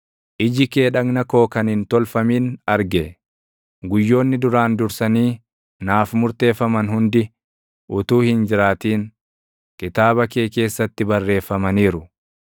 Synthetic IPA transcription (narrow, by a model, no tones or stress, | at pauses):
ʔɪd͡ʒɪkeːᶑɐɡnɐko̞ːkɐnhɪnt̪ɔlfɐmiːnɐɾɡɛ | ɡʊjːo̞ːnːɪd̪ʊɾaːnd̪ʊɾsɐniː | naːfmʊɾt̪e̞ːfːɐmɐnhʊnd̪ɪ | ʔʊt̪uːhɪnd͡ʒɪɾaːt̪iːn | kɪt̪aːβɐke̞ːke̞ːsːɐt̪ːɪbɐrːe̞ːfːɐmɐniːɾʊ